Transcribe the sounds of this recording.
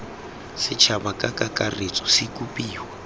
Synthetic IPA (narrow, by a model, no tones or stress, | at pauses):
sɪt͡ʃʰabakʼakʼakʼaret͡sʼɔsɪkʼupʼiːwa